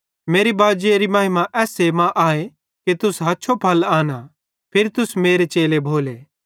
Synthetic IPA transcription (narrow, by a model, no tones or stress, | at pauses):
meːɾibaːd͡ʒeɾimɐːɦɪmaʔɛːsemãʔaːe | ket̪ʊsɦɐtːʃʰopʰɐlaːna | pʰɪɾt̪ʊsmeːɾet͡ʃeːlebʱoːleː